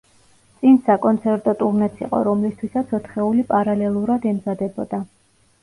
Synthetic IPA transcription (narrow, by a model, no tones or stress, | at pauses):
t̪sʼinsakʼɔnt̪sʰɛɾt̪ʼɔt̪ʼuɾnɛt̪sʰḭqʼɔ̰ɾɔmlist̪ʰwisat̪sʰɔt̪χɛulipʼaɾalɛlˠuɾad̪ɛmzad̪ɛbɔd̪̥a